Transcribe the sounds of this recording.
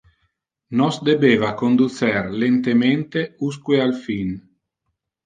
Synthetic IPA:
nɔsd̪ebeːvakond̪usɛrlent̪ement̪euskwealfin

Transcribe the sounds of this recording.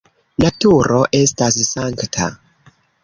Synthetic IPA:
natuɾo̞ʔe̞stassaŋktʰa̰

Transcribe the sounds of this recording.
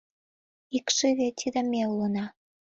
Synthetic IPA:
ikʃiβet̪ʲʰid̪əmelːunɑ

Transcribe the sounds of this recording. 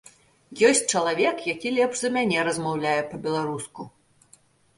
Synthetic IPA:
jɔsʲt͡sʲt͡ʂɐlˠavʲɛkjakʲilʲɛpʐzɐmʲanʲɛɾɐzmawlʲajɛpɐbʲɛlˠaɾusku

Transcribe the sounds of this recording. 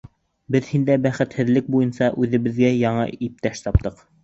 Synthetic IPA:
bɘðhind̪æbæχɘ̆t̪hɘ̆ðlɘk̚bujɤnsɑʔʉðɘ̆βɘ̆ðɡæjɑɴɤ̰ip̚t̪æʃt̪ɑp̚t̪ɤq

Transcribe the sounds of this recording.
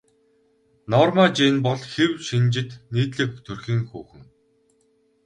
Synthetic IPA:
nɔːrmaːt͡ɕiːnpɔɮxewʃint͡ɕɪ̆t̪niːt̪ɮɘ̆kt̪ʰɵrxiːŋxuːxɘ̆ŋ

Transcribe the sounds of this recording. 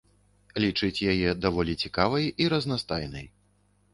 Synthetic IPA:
lʲit͡ʂɨt͡sʲjajɛd̪avɔlʲit͡sʲikavɐjiɾɐznast̪ajnɐj

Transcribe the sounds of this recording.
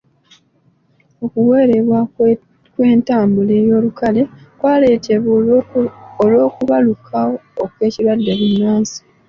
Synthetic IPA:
o̞kuwe̞ːɾe̞βwa | kwe̞ːntaːmbule̞ːjo̞ːlukale̞kwaːle̞ːtʰeβu | olwo̞ːkuβalukʰaoːkwe̞ːciɾwadːeβunːaːnsi̥

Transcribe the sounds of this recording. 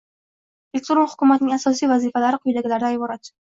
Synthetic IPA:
ek̚ʲt̪oɾonhʊ̥kʲʊmat̪nɪŋasɒsijvazifalaɾɪqʰʊjd̪aɡʲɪlaɾd̪aːjbɒɾat̪

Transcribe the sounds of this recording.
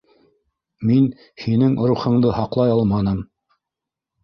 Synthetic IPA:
min | hinɘŋɾuχɤ̆ɴd̪ɤhɑqlˠɑjɑlˠmɑnɤm

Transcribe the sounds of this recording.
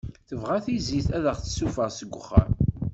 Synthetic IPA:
θəvʁaθiziθæðəʁθə̥sufəʁsəɡʷːəχːə̰ɾ

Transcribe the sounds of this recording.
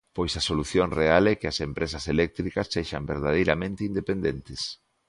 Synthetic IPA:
pojsɐsoluθjoŋrealɛkɪɐsempɾʔesɐselɛk̚t̪ɾikɐsːeʃɐ̰mbeɾð̞að̞ejɾamẽnt̪ɪind̪epend̪ent̪ɪs

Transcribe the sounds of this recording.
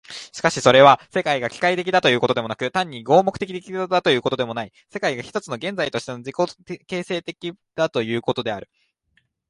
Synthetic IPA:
ɕi̥kaɕiso̞ɾe̞βasekaiɡakʲi̥kait̪e̞kʲid̪at̪o̞jɯ̟ːko̞t̪od̪e̞mo̞nakɯ̟t̪ãɲ̟ːiɡo̞ːmo̞kɯ̟t̪e̞kʲit̪e̞kʲid̪at̪o̞jɯ̟ːkot̪o̞d̪e̞mo̞nai | se̞kaiɡaçi̥t̪o̞t͡sɨno̞ɡẽ̞nd͡zait̪o̞ɕi̥t̪e̞no̞d͡ʑiko̞ke̞ːse̞ːt̪e̞kʲid̪̥at̪o̞jɯ̟ːko̞t̪o̞d̪e̞aɾɯ̟

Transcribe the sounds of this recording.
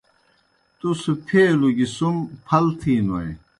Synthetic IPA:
t̪usupʰeːluɡisumpʰɐlt̪ʰiːnɐj

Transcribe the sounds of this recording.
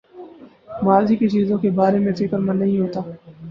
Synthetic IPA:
maːziket͡ʃiːzõkebaːɾemẽfɪkəɾmɐnːɐɦĩɦoːt̪aː

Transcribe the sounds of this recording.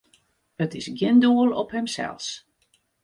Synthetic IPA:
ətɪsɡjɪnduəlˠɔphɛmsɛ̰lˠs

